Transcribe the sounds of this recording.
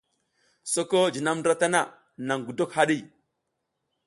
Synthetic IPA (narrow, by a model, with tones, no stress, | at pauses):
so˦ko˦d͡ʒi˨na˦mn˦dɾa˦ta˦na˦˨ | na˨ŋɡu˨do˦kha˦ɗi˦˨